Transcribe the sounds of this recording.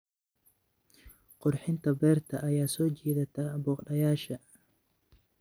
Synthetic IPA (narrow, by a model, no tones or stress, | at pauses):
qʊrħɪnt̪ʰɐbɛːrt̪ʰɐʔɐjaːsɔːt͡ʃɛːðɐt̪ʰɐbɔːqɗɐjaːʃɐ